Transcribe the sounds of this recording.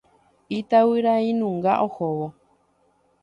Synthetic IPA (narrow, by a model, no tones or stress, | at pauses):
it̪awɨɾaĩnũŋɡaʔohowo